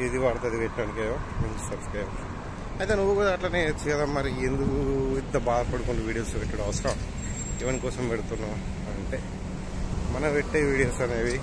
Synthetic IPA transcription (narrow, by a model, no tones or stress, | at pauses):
id̪iʋaːɽt̪ɐd̪iʋeʈːɐnikejoment̪ɐnkeːo | ɐjt̪enuʋːukod̪ɐːʈlaneːet͡ʃːukɐd̪aːmɐɾiend̪ukuit̪ːɐbaːd̪ɐpɐɽukuɳɖuʋiːɽijoːsʋeʈːɐɽɐʋɐsɐɾɐ | iʋɐnikɔːsɐmʋeɽut̪unːa | ɐɳʈeː | mɐnɐʋeʈːeʋiːɽijoːsɐneːʋi